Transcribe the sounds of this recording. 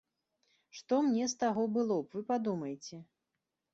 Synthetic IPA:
ʂt̪ɔmnʲɛst̪aɣɔbɨlˠɔpvɨpad̪umɐjt͡sʲɛ

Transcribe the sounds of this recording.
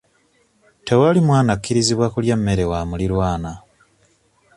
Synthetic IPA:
tewalimwaːnakːiɾiziβwakuljamːe̞ɾe̞wamuliɾwaːna

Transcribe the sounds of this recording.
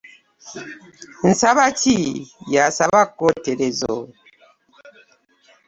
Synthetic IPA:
n̩saβatijasabakoteɾezo̰

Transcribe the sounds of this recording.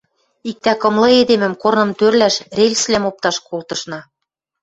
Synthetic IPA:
ik̚t̪ækɤ̆mlɤ̆ed̪emɘ̆mkornɤ̆mt̪ørlæʃrelʲslæmop̚t̪ɑʃkolt̪ɤ̆ʃnɑ

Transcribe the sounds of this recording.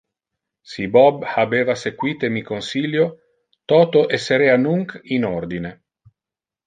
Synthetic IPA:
sibɔbhabeːvasekwiːt̪emikonsiljo | t̪ɔːt̪oʔesːeɾeanuŋkinord̪ine

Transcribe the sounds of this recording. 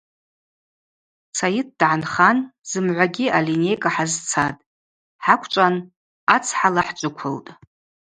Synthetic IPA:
t͡sʰajɪt̚dʕanχanz̥ɨmʕʷaɡʲiʔalinejkʼaħazt͡sʰatʼ | ħakʷʰʈ͡ʂʼan | at͡sʰħalaħt͡ʃʷʼʊkʷʰʊltʼ

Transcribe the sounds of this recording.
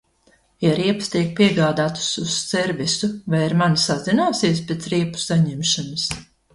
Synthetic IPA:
jaɾiɛpst̪iɛk̚pʲiɛɡaːd̪aːt̪u̥sussɛɾvisuvajiɾmansazinaːsiɛspʲet̪sɾiɛpu̥saɲɛmʃanɨs

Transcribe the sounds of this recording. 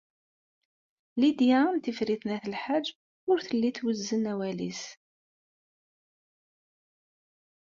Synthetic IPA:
lid̪jænt̪ifɾiθnæθəlħad͡ʒː | ʊɾθəlːiθwəzːənæwælḭs

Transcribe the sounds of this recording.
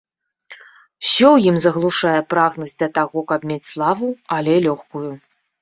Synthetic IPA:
wsʲɔwjimzɐɣlˠuʂajɛpɾaɣnɐsʲt̚ʲd̪ʲɐt̪aɣɔkɐpmʲet͡sʲslˠavuɐlʲɛlʲɔxkuju

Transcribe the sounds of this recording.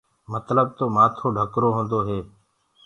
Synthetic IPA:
mət̪ləb̚t̪oːmaːt̪ʰoːɖʱəkɾoːɦõːnd̪oːɦeː

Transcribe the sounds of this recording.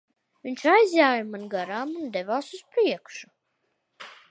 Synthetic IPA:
vinʲt͡ʃajzʲjaːjamanɡaɾaːmund̪ɛvaːsuspɾiɛkʃu̥

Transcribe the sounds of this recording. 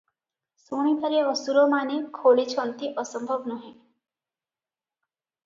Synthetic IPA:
suɽ̃it̪əɾeʋəsuɾomanekʰoːlit͡ʃʰɔnt̪iʔɔsəmbʱʌbnɔɦĩ

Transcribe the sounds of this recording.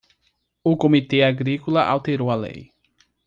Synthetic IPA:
ʊkomit̪eaɡɾikolɐʔa̰wt̪eɾowɐlḛj

